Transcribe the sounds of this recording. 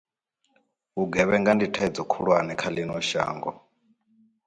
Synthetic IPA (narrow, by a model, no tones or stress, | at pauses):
uɡɛβɛŋɡanditʰaid͡zɔkʰuɺwanɛkʰalinɔʃa̰ːŋɡɔ